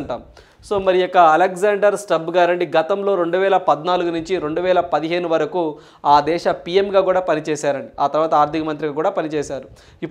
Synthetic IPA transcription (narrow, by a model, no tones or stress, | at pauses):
ɳʈa̰ːmu | so̞ːmɐɾijɔkːɐɐlekzaːɳɖɐɾsʈɐbɡaːɾɐɳɖiɡɐt̪ɐmlo̞ːɾe̞ɳɖuʋɛːlɐpɐd̪naːluɡunuɲt͡ʃiɾe̞ɳɖuʋɛːlɐpɐd̪iɦe̞ːnuʋɐɾɐku | aːd̪ɛːʃɐpijemɡaːkuːɽaːpɐnit͡ʃɛːsaːɾɐɳɖiaːt̪ɐɾʋaːt̪ɐaːɾt̪ikɐmɐnt̪ɾiɡaːkuːɽaːpɐnit͡ʃɛːsaːɾu | ipː